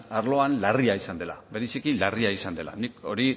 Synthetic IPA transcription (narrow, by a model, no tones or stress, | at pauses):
aɾlo̞anlariaisand̪e̞la̰βeɾisikilariaisand̪e̞la̰niko̞ɾi